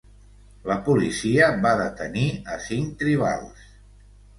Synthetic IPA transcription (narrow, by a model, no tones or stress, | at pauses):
ləpulisiəbaðət̪əniəsiŋt̪ɾiβ̞a̰lˠs